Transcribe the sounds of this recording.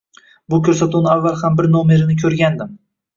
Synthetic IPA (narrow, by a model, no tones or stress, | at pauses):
bʊkʲʰɵɾsat̪ʰunɪavːalˠhambɪɾnome̞ɾɪnɪkʲʰɵɾɡʲand̪ɪm